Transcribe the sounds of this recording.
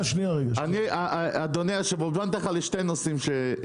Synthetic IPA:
ʃniaʁeɡaaniaʔad̪oneaʃevobant̪aχaleʃtejnosimʃe

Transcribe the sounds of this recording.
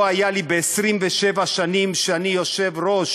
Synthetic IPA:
ajalibeːsʁimveʃevaʃanimʃeanijoʃevɾoʃ

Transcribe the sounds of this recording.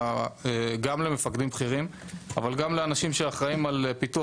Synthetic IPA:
eɡamle̞me̞fakd̪imbχiʁim | a̰valɡamleanaʃimʃeaχʁaimalpitu

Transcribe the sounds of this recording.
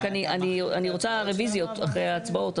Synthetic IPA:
kaniʔanianiʁo̞t͡saʁevizjo̞ta̰χʁejaːt͡sbao̞t

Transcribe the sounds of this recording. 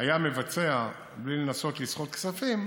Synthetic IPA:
ajame̞vat͡se̞a | blilenaso̞t̪lisχo̞t̪̚ksafim

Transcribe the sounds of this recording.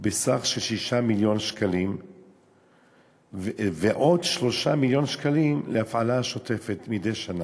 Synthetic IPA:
besaχʃelʃiʃamiljo̞nʃkalim | veʔo̞dʃlo̞ʃamiljonʃkalimleafalaʃo̞te̞fetmidejʃana

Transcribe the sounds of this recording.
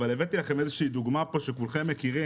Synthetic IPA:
valevet̪ilaχe̞mezeʃiiːd̪uɡmapo̞ʃekulχemːekiʁi

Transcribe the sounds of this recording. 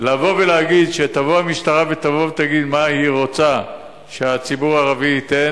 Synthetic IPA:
lavo̞veleaɡid̪ʃet̪avoamiʃt̪aʁavet̪avo̞vet̪aɡid̪mahiʁo̞t͡sa | ʃeat͡sibuʁaʁaviit̪en

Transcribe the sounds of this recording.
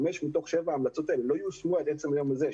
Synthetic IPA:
me̞ʃmit̪̬o̞χʃevaːmlat͡sot̪aelelo̞ajusmuaet̪et͡se̞majo̞maze

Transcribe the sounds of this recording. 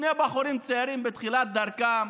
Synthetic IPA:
nebaχuɾimt͡seaɾimbet̪χilat̪̚d̪aɾkam

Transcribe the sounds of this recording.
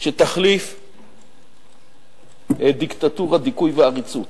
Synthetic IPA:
ʃet̪aχlif | ed̪ikt̪at̪uʁad̪ikujveaʁit͡sut̪

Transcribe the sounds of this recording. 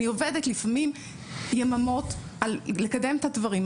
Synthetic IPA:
iovedetlifamim | jamamo̞tʔalːekade̞mtadvaʁim

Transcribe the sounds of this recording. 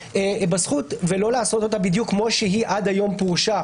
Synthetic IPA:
ebasχut̪velo̞laːso̞t̪o̞t̪abid̪jukːmo̞ʃeɦiʔadajo̞mpuʁʃa

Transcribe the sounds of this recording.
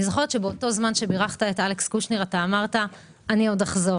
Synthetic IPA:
izoχo̞tʃebeoto̞zmanʃe̞biʁaχt̪aetalekskuʃneʁataːmaʁta | anio̞daχzo̞ʁ

